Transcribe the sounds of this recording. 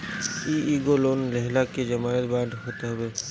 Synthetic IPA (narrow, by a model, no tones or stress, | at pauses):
iiɡoloːnlɛɦlaked͡ʒəmaːɾət̪baːɖ̪ʱɦoːt̪eɦəbeː